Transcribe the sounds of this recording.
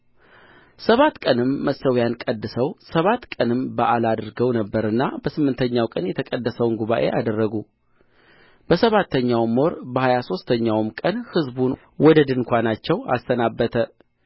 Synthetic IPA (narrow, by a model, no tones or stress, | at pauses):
səβat̪kʼənɨmːəsəwjankʼəd̪ːɨsəwsəβat̪kʼənɨmbəʔalad̪ɨɾɡəwnəbːəɾɨnːabəsɨmːɨnt̪ʰəɲːawkʼənjɛt̪ʰəkʼəd̪ːəsəwnɡuβaʔe̞̰ʔad̪ərːəɡu | b̥əsəβat̪ʰːəɲːawmo̞ɾbəhajaso̞st̪ʰəɲːawmkʼənhɨzbun | wɔd̪əd̪ɨnkʷʰanat͡ʃːɛwa̰st̪ənabːət̪ʰə